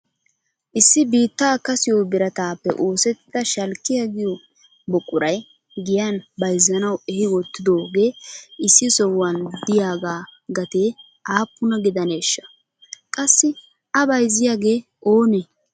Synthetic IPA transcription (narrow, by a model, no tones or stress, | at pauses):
ʔɪsːɪbiːt̪ːaːkɐsɪjobɪɾɐt̪aːpːɛ̰ʔo̞ːsɛt̪ːɪd̪ɐʃɐlkːɪjaɡɪjɔ | bɔkʼːʊɾɐj | ɡɪjanbɐjzːɐnɐwɛhɪwɔt̪ːɪd̪o̞ːɡe̞ːʔɪsːɪsɔwand̪ɪjaːɡaːɡɐt̪eː | ʔaːpːʊnɐɡɪd̪ɐneːʃːɐ̥ | kʼɐsːɪ | ɐbɐjzɪjaːɡe̞ː | ʔoːnɛ